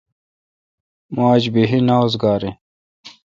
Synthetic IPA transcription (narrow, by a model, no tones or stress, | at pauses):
maːd͡ʑbiɦinaːwzɡaːɾi